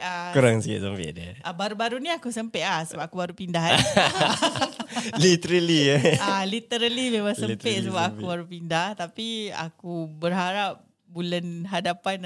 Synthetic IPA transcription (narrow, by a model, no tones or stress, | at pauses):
akuɾaŋsia̰ʔsəmpɛ̰ʔdiəʔabaɾubaɾuniakusəmpeʔlahsəbap̚akubaɾupindaɦ | lit̪əɾəlialit̪əɾəlimemaŋsəpɛʔ̪səbapakubaɾupindaht̪apia̰kubərɦaɾap̚ | bulanɦadapan